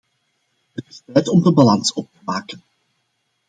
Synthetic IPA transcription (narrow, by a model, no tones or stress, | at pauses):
ɦətɪstɛtɔmdəbalɑnsɔp̚təmaːkən